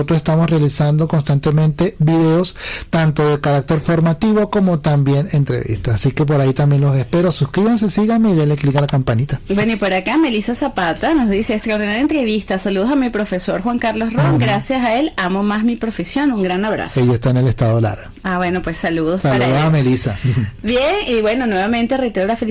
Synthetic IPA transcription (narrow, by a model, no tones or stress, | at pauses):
ot̪ɾosest̪amosrealisand̪okonst̪ant̪e̞mẽnt̪e̞βiðe̞ost̪ant̪o̞ðe̞kaɾak̚t̪e̞ɾfo̞ɾmat̪iβo̞ko̞mo̞t̪ambje̞ne̞nt̪ɾḛβḭst̪aːsike̞p̬o̞ɾait̪ambje̞nlo̞sespeɾosuskɾiβans̬esiɣameiʝeleklikalakampanit̪abwenoipoɾakame̞lisasapat̪ano̞zðiseːkst̪ɾaoɾðinaɾjent̪ɾeβist̪asaluðo̞samipɾo̞fe̞so̞ɾxwaŋkaɾlo̞sroŋɡɾasjasae̞lamo̞masmipɾo̞fesjo̞nuŋɡɾanaβɾa̰seʝaest̪aene̞lest̪aðola̰ɾɣaaβwe̞no̞pwesːaluðossaluðoamelisa̰bjeniβwe̞no̞nwe̞βamẽ̞nt̪eret̪eɾolafe